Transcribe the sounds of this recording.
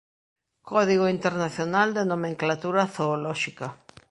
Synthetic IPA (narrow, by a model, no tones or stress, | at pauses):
kʰɔðiɣoint̪eɾnaθjonald̪enomẽŋklat̪uɾaθoːlɔʃika